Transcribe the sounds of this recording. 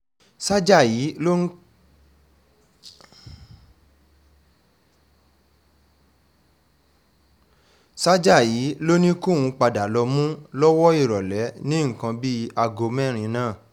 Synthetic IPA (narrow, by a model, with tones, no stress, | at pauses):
sa˦d͡ʒa˦˨ji˨˦lo˦ | sa˦d͡ʒa˦˨ji˨˦lo˦nĩ˦ko˦˨wũ˨˧k͡pa˧da˨lɔ˧mũ˦lɔ˦wɔ˦i˦˨ɾɔ˨lɛ˨˦nĩ˦ŋ̩˨kã˧bi˦a˧ɡo˧mɛ̃˦˨ɾ̃ĩ˧nãː˦˨